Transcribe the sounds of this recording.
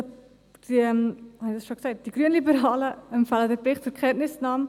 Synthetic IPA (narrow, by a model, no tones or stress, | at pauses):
d̥iəmhɑnidɐsʃoɡə̥sɛɪt̚d̥iɡryənlibəɾɑːləəmfælədətɛχtfukχɛntnəsnɑːm